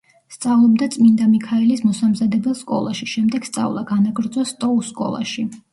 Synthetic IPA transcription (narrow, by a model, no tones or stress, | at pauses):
st̪sʼavlˠɔb̚d̪at̪sʼmind̪amikʰaɛlismɔsamzad̪ɛbɛlˠskʼɔ̰lˠaʃiʃɛmd̪ɛɡ̥st̪sʼa̰vlˠa̰ɡanaɡɾd̪zɔst̪ʼɔusːkʼɔ̰lˠa̰ʃi